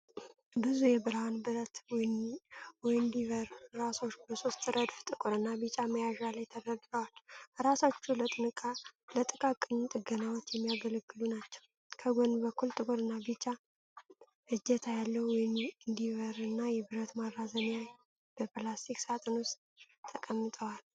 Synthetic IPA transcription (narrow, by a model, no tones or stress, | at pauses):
bɨzujɛbɨɾhanbɨɾət̪ | wɔjnd̪iəɾɾaso̞t͡ʃːbəso̞st̪ɾəd̪ft̪ʼɨkʼɨɾɨnːabɨt͡ʃʼaməjaʒalajt̪ʰəɾəɡləwalɾasat͡ʃːulət̪ʼɨnɨkʼalət̪ʼɨkʼakʼɨɲːut̪ʼɨɡənawɔt̪jɛmːijaɡələɡːɨlunat͡ʃːɛw | kʰəɡonbəkːult̪ʼɨkʼɨɾɨnːabɨt͡ʃʼːa | ʔɨd͡ʒɛt̪ʰajalːəhwɔjɪnɨnd̪ivəɾɨnːajɛbɨɾət̪maɾːazəɲaj | b̥əpɨlast̪ʰiksat̪ʼɨnʊst̪ | t̪ʰːəkʼəmːɨt̪ʼəwal